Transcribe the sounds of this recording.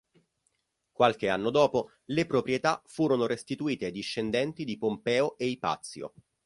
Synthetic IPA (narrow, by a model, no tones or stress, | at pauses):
kwalk̟eanːod̪ɔːpo | lepɾopɾjet̪afuːɾonoɾest̪it̪uiːt̪ed̪iʃːend̪ɛnt̪id̪ipompɛːoʔeipa̰t̪sːjo̰